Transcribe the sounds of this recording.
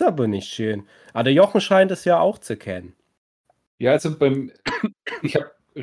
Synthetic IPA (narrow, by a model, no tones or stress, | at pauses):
aːbɐnɪçtʃøːn | ʔadəɐjɔχŋ̩ʃaɪntɛsjaːaʊxt͡sukʰɛnən | jaːalzobaɪm | ɪçhap̚